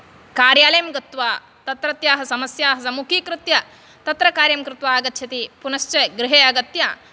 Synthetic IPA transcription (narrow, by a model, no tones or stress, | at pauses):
kaːɾjaːlɐjɐmɡɐt̪ʋaː | t̪ɐt̪ɾɐt̪jaːɦɐsɐmɐsjaːɦɐsɐmukʰikɾɪt̪jɐ | t̪ɐt̪ɾɐkaːɾjɐmkɾɪt̪ʋaːɡɐt̪ːʃʰɐt̪ipunɐʃt͡ʃeɡɾɪɦeːɐɡɐt̪jɐ